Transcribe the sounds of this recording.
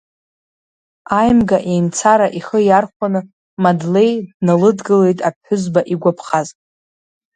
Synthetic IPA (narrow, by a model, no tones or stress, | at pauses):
ajmɡaʔe̞jnt͡sʰaɾaʔiχəjarχʷanɨ | madle̞jdnalɨdɡɨle̞jtʼapʰħʊzbaʔiɡʷapʰχazʼ